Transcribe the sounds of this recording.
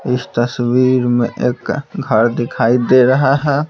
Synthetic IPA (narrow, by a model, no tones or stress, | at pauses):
ɪst̪əswiɾmẽʔeːkɡʱəɾd̪ekʰaid̪eɾəɦaɦɛ